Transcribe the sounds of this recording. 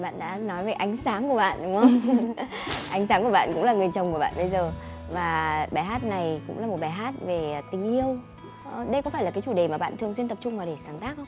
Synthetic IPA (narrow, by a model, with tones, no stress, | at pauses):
ɓa̰ː˧˨nɗa̰ː˧˥nɔ˨˦jve˨˩jʔa˨˦jŋ̟saː˨˦ŋku˧˩əɓa̰ː˧˨nɗʊ˨˦ŋ͡mhə˧wŋ͡m | ʔa˨˦jŋ̟saː˨˦ŋku˧˩əɓa̰ː˧˨nkʊ̰˧˥laː˨˩ŋɨ˨˩ənt͡ɕə˨˩wŋ͡mkəɓa̰ː˧˨ɓə˧jzəː˨˩vaː˨˩ɓaː˧˩jɦaː˦˥t̚na˨˩jkʊ̰˧˥ŋ͡mlaː˨˩mo˨˩t̚ɓaː˧˨˩jɦaː˦˥t̚ve˨˩˨t̪ï˨˩ŋ̟ʔi˧əw | ɗə˧jkɔ˨˦aː˧˩la˨˩kaː˨˦jt͡ɕu˧˩ɗe˨˩maː˨˩ɓa̰ː˧˨nt̪ɨ˨˩əŋs̬wi˧nt̪ə˨˩p̚t͡ɕʊ˧ŋ͡mvaː˨˩ɗe˧˩saː˨˦ŋt̪aː˦˥k̚xə˧wŋ͡mŋ͡m